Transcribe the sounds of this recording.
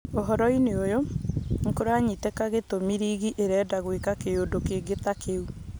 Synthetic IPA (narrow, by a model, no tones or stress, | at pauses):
oɦɔɾɔineojoŋ̩koɾaɲitekaɣetomiɾiːɣiʔeɾɛːdaɣwekakeoːndokeɡet̪akeu